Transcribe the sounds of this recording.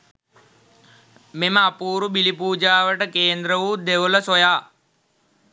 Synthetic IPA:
meməapuːɾubilipuːd͡ʒaːʋəʈəkeːnd̪ɾəʋuːd̪eʋələsojaː

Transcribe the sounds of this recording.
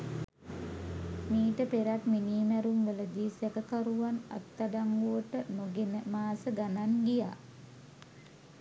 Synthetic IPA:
miːʈəpeɾat̪miniːmæɾumʋələd̪iːsekəkaɾuʋana̰t̪ːaɖaŋɡuʋəʈənoɡenəmaːsəɡanaŋɡija̰ː

